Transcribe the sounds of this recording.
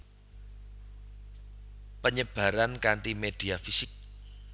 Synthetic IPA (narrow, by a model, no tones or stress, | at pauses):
pəɲəb̥ä̤ɾankaɳʈimed̪̥iafisɪk̚